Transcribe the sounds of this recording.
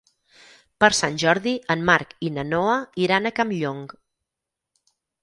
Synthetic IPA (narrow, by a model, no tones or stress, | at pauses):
pəɾsanʲʒɔɾðiənmaɾkinənoəiɾanəkamʎoŋɡ